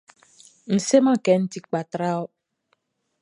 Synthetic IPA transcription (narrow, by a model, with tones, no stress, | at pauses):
n̩˨se˦ma˦kɛ˨n̩˦ti˦k͡pa˨tɾa˦ɔ˦